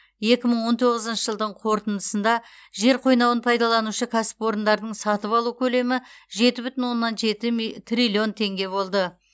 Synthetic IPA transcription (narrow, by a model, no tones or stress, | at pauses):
je̞kʲɪməɴwo̞nt̪ʰo̞ʁəzənʃəʒəlˠd̪əɴqʰo̞ɾt̪ənd̪əsənd̪ɑʒe̞ɾqʰo̞jnɑwənpʰɑjd̪ɑlˠɑnuʃəkʲʰasɪ̥pwo̞ɾənd̪ɑɾd̪əɴsɑt̪əpɑlˠukʲʰɵle̞mɪʒe̞t̪ɪbʏt̪ɪnwo̞nːɑnʒet̪ɪt̪rʲilʲio̞nt̪ʰe̞ŋɡʲe̞βo̞lˠd̪ə